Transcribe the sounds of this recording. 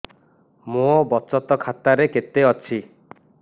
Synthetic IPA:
mõbɔt͡ʃɔt̪ɔkʰat̪aɾeket̪eɔt͡ʃʰi

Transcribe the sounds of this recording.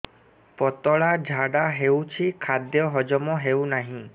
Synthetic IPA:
pɔt̪ɔɭad͡ʒʱaɽaɦewt͡ʃʰikʰad̪jɔɦɔd͡ʒɔmɔɦewnaɦĩ

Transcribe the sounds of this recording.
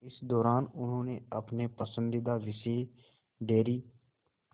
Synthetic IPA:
ɪsd̪ɔːɾaːnʊnɦõːneəpnepəsə̃nd̪id̪aʋɪseː | ɖeːɾiː

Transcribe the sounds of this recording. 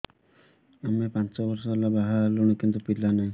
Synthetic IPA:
amepant͡ʃɔbɔɾsɔlabaɦaɾluɽ̃ekint̪upilanaĩ

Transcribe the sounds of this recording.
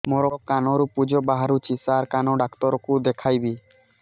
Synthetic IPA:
mɔɾɔkanɔɾupud͡ʒɔbaɦaɾut͡ʃisaɾkanɔɖakt̪ɔɾɔkud̪ekʰajbi

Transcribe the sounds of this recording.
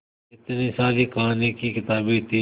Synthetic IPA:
ɪt̪niːsaːɾiːkaːneːkiːkɪt̪aːbit̪ʰi

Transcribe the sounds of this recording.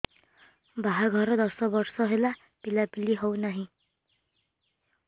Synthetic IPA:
baɦaɡʱʌɾʌd̪ʌsʌbʌrsʌɦela | pilapiliɦʌwnaɦĩ

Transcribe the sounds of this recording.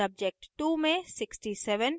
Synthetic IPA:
ɐb̚d͡ʒek̚ʈʈuːmẽsɪksʈisɛʋən

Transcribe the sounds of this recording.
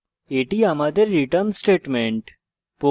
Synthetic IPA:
eːʈiamad̪əɾːiʈənsʈeːʈmẽɳʈ | po

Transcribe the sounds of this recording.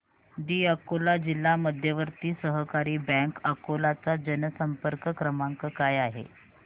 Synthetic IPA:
d̪iːəkolad͡ʑilːaməd̪ʱjəʋəɾt̪iːsəɦəkaɾiːbɛ̃ŋkəkolat͡sad͡ʑənəsəmpəɾkəkɾəmaŋkəkajaɦḛ

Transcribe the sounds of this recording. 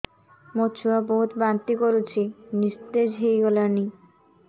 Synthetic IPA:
mot͡ɕʰuaboɦut̪bant̪ikoɾut͡ɕʰinist̪ed͡ʑɦejɡolaɾni

